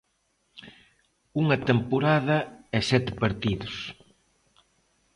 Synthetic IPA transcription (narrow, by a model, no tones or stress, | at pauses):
uŋɐt̪empoɾaðɐɛsɛt̪ɪ̥peɾt̪iðʊs